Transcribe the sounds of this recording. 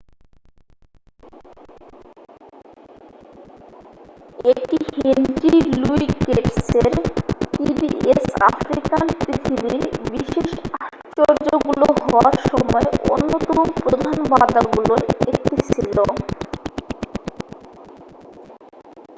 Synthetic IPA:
ek̚ʈihend͡ʑiluikepseɾpibiesa̰fɾikaɾpɾit̪ʰibiɾbiʃeʃaʃ | t͡ɕoɾd͡ʑoɡuloɦɔoaɾʃɔmɔeʔo̰nːot̪ɔmopɾod̪ʱanbad̪aɡuloek̚t̪et͡ɕʰilo

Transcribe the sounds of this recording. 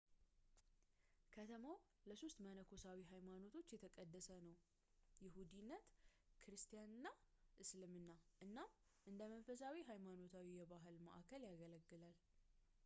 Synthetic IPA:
kʰət̪ʰəmaw | ləsost̪mənəkʰo̞sawiɦajmano̞t̪ʰo̞t͡ʃːjɛt̪ʰəkʼəd̪ːəsənəw | jɪɦud̪inːət̪kʰɨɾɨst̪ʰijanɨnːa | ʔɨslɨmɨnːaʔɨnːam | ʔɨnd̪əmənfəsawiɦajmano̞t̪ʰawijɛbaɦɨlmə̰ʔakʰəljaɡələɡːɨlal

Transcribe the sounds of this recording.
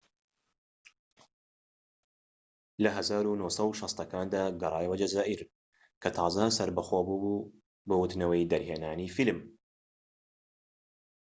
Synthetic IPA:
lɐɦɐzaːɾunoːsɐwʃɑst̪ɐkaːnd̪aːɡɐɾˤɑːjwɐd͡ʒɐzaːʔiɾ | kʰɐt̪ʰɑːzɐsɐɾbɐxoːbubu | bɐwʊt̪nɐwɐjd̪ɐɾheːnaːnifilm

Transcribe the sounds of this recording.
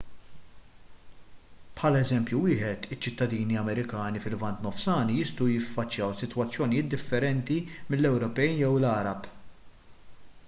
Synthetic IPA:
pħɐlɛzɛmpjuwɪːħɛt̪ɪt͡ʃːɪt̪ːɐd̪iːniɐmɛɾɪkɐːnifɪlvɐnt̪nɔfsɐːnijɪst̪ɐwjɪfːɐt͡ʃːjɐwsɪt̪wɐt͡sːjɔnijɪːt̪̚d̪ɪfːɛɾɛnt̪imɪlːɛwɾɔpɛjjɛwlɐːɾɐp

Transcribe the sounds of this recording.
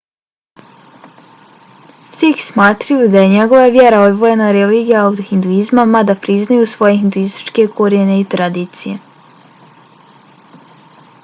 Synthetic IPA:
sixsmaːt̪ɾajud̪aje̞ɲe̞ɡo̞ʋavje̞ɾao̞d̪ʋo̞jenaɾeliːɡijaːwt̪oxind̪uizmamad̪apɾiznajusʋo̞je̞ind̪uist̪i̥t͡ʃke̞kʰoɾjene̞it̪ɾad̪iːt̪sije̞

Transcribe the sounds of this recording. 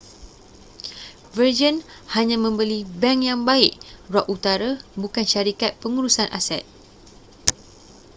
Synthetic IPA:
vərd͡ʒənhaɲãmə̃mbəlibɛŋjaŋbaɪʔrɔʔut̪aɾabukanʃaɾikat̪̚pəŋuɾusanʔa̰sɛ̰t̪̚

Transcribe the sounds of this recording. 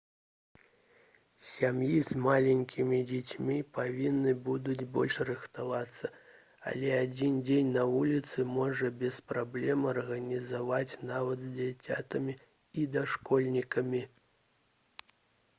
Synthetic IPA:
sʲamjizmalʲɛnʲkʲimʲid͡zʲat͡sʲmʲipavʲinːɨbud̪ud͡zʲbɔ̰lʲʂrɨxt̪avat̪sːɐ | ɐ̰lʲɛad͡zʲind͡zʲenʲnɐvulʲit̪sɨmɔʐɐbʲɛspɾablʲɛmɐrɣɐnʲizavat͡sʲnavɐd̪zʲd͡zʲat͡sʲa̰t̪ɐmʲi | id̪aʂkɔlʲnʲikɐmʲi

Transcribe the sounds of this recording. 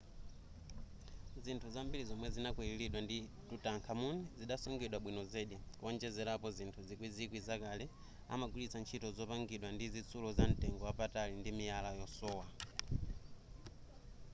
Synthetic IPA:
zintʰuzambiɾizɔmwɛzinakwililiɗwanditutaŋkʰamunɛziɗasɔŋɡɛɗwaɓwinɔzɛɗiwɔnd͡ʒɛzɛɾapɔzintʰuzikwizikwizakalɛ | a̰maɡulit͡sant͡ʃʰitɔzɔpaŋɡiɗwandizit͡sʰulɔzan̩tɛŋɡɔwapatalindimijalajɔsɔːwa

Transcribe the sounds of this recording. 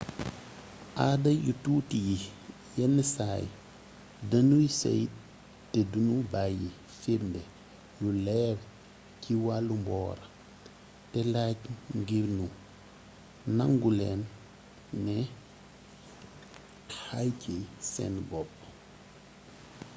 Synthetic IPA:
ʔaːdɐjutuːtiji | jɛnːəsaːj | dɐnujisɐ̰j | tɛdunubaji | fiɾndɛ | julɛːɾ | ciwalːumbɔ̰ːɾɐ | tɛlaːcŋɡiɾnu | nɐŋɡulɛːnː | ɛ | hajcɛsɛ̰nbɔp̚ː

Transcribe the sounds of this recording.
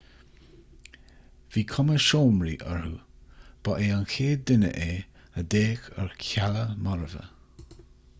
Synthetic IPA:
viːkʰɔməʃoːmɾḭːʔəɹhub̥ɔʔeanxʰeːd̪ɪnə̰ʔeː | əd̪eːkəɹkʰaləmɔɹəvə̰

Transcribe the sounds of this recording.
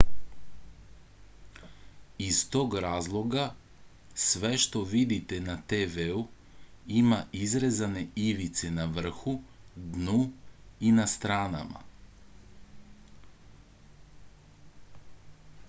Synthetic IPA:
ist̪oɡɾaːzlˠo̞ɡa | sʋeʃt̪o̞ʋid̪it̪enat̪eʋeu | imaʔizɾezane̞iʋit̪senaʋr̩xud̪nuinast̪ɾaːna̰ma̰

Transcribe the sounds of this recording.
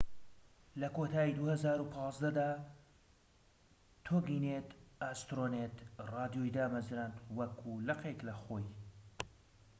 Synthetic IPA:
lɐkot̪ʰaːjid̪uːhɐzaːɾupʰɑːzd̪ɐd̪aː | t̪ʰoɡiːneːt̪ast̪ɾoneːt̪rɑːd̪ijojd̪aːmɐzɾant̪wɐkʰulɐqeklɐxoːj

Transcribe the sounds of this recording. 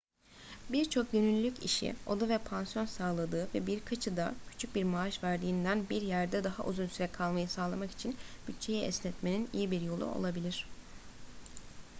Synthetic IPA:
biɾt͡ʃʰo̞k̚ɟønylʲːycḭʃḭo̞d̪avɛpʰansijo̞nsaːlˠad̪ɯːvɛbiɾkʰat͡ʃʰɯd̪a̰cʰy̥t͡ʃʰyc̚biɾmaːʃvæɾd̪iːnd̪ænbiɾjæɾd̪ɛd̪aɦaʔuzunsyɾɛkʰalˠmajɯsaːlˠamaki̥t͡ʃʰinb̥yt̪̚t͡ʃʰe̞jɛɛslʲɛt̪me̞ninḭjibiɾjo̞lˠṵo̞̰lˠabilʲiɾ̥

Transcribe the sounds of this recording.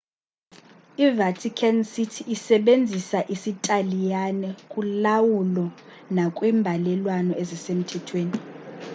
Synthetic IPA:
ivatʰikʰansitʰiːsɛɓend͡zʱisaʔisitʼalijanɛkʼulawulɔ | nakʼwimbʱalɛlwanɔezisem̩tʰɛtʰweːni

